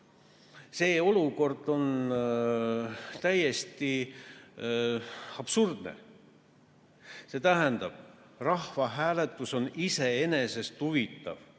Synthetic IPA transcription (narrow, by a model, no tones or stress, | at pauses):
se̞ːo̞luko̞rd̪̥o̞n | t̪æje̞st̪i | ɑb̥surd̪̥nḛ | se̞ːt̪æɦɛnd̪̥ɑb̥ | rɑhvɑɦæːlet̪ːˑuso̞nise̞e̞ne̞se̞st̪huvit̪ːˑɑ̰v